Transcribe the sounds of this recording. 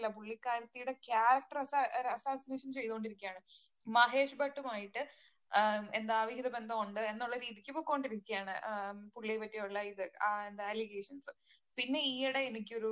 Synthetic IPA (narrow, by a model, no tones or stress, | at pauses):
lːɐpuɭːikːaːɾɐt̪ːijuɽe̞kjaːɾɐk̚ʈɐrɐsaɐsaːsineːʂɐnt͡ɕe̞jt̪uɣoɳɖiɾikʲːijaːɳɨmɐɦe̞ːɕubɐʈːumaːjiʈːɨ | e̞nd̪aaːʋiɦiðɐbe̞nd̪ʱɐuɳɖɨe̞nːuɭːɐɾiːðikʲːɨpoːkːuoɳɖiɾikʲːijaːɳɨ̰puɭːiepɐtːijoɭːɐiðɨaend̪aɐliɡeːʂɐnsɨ | pinːe̞iːiɽe̞ːnik̬ʲːɨo̞ɾu